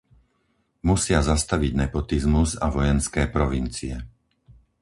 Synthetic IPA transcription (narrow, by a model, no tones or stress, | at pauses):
musɪazast̪aʋiɟnɛpɔt̪izmuzaʋɔjɛnskɛːpɾɔʋint͡siɛ